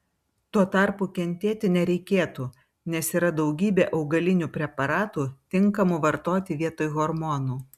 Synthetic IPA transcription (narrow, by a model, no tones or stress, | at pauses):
t̪uɔt̪ɐˑɾpuːkʲɛnʲt̪ʲeːt̪ʲɪnʲɛɾʲɛɪkʲeːt̪uː | nʲɛsiːɾɐd̪ɒʊɡʲiːbʲeːʔɐʊɡɐlʲɪnʲuːpʲɾʲɛpɐɾɑːt̪uːt̪ʲɪŋˑkɐmʊʋɐɾt̪oːt̪ʲɪʋʲiɛt̪oːjɣɔɾmɔːnuː